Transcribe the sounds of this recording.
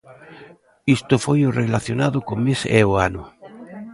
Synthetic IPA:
ist̪ofojorelaθjonaðʊkomeseoanʊ

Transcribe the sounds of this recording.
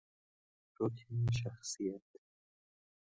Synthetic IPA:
ɾokʰʃ̬axsijat̪

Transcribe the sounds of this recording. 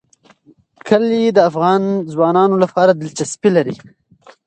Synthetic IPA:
kʰəlid̪əafɣɑnzwɑnɑnolapɑɾad̪ɪlt͡ʃaspilaɾi

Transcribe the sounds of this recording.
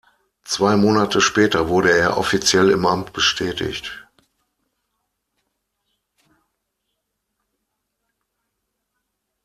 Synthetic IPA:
t͡sv̥aɪmoːnatʰəʃpɛːtɐvʊɐɾəeːɐʔɔ̰fit͡sjɛlɪ̰mʔamt̚b̥əʃtʰɛːtɪ̰çt

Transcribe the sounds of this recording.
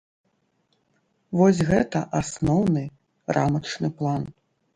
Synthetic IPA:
vɔsʲɣɛt̪ɐʔasnɔwnɨ | rʔamɐt͡ʂnɨplˠan

